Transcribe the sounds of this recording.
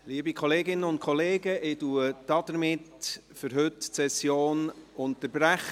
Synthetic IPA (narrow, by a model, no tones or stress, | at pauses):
liəbikʰχɔleːɡɪnənʊnt̚kʰɔleːɡəʔɪduəd̥ɑd̥̪əɾmɪt | fʏɾɦʏtsɛsjoːnʊntəɾbɾæχ